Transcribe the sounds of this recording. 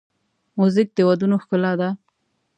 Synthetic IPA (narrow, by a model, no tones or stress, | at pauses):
muzɪk̚d̪əwad̪unoxkʊlɑd̪a